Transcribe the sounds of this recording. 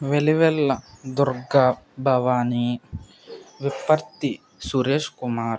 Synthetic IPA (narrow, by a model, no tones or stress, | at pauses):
ʋeliʋɛlːɐd̪uɾɡɐbʱɐʋaːni | ʋipɐɾt̪i | suɾeːʂkumaːɾ